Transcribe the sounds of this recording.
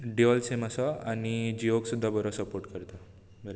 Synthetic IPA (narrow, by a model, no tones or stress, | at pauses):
ɖiɔlseməsaañid͡ʑioksud̪ʱːabəɾɔsəpoɾʈkəɾt̪a | bəɾe